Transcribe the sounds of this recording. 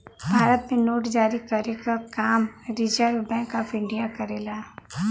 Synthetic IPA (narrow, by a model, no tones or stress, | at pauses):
bʱaːɾət̪mẽnoːʈd͡ʒaːɾikɐɾekakaːmɾɪd͡ʒəɾʋbɛ̃ːŋkaːfɪ̃ɳɖijakɐɾeːlaː